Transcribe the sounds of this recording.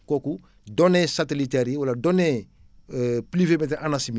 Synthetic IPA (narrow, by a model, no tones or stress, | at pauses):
kɔku | dɔnɛsatelitɛɾiwaladɔnɛ | plivemɛt̬ɛʔanasimi